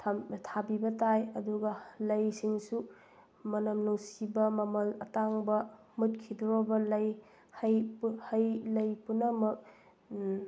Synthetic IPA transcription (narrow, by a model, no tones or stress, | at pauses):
tʰtʰabibɐtajɐduɡɐlɐjsiŋsu | mɐnɐmnowsibɐmɐmɐlɐ̰taŋbɐ | mut̚kʰidɾɔbɐlɐj | hɐjhɐjlɐjpunɐmɐk̚